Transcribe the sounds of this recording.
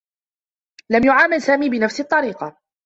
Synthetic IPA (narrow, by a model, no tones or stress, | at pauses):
lamjʊʕaːmɪlsaːmiːbɪnafsɪt̪ˤːɑɾiːqɑ